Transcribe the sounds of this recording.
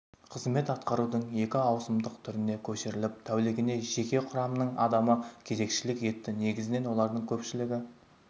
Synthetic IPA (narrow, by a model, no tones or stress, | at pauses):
qʰəzme̞t̪ɑt̪qɑɾud̪əɴje̞kʲɪɑwsəmd̪əqt̪ʰʏɾɪne̞kʲʰɵʃɪɾɪlɪp̚t̪ʰæwlɪɡʲɪne̞ʒe̞kʲe̞qʰʊɾɑmənəɴɑ̰d̪ɑməkʲʰe̞ze̞kʃɪlɪkje̞t̪ːɪne̞ɡʲɪzɪne̞nwo̞lˠɑɾd̪əɴkʲʰɵpʃɪlɪɡʲɪ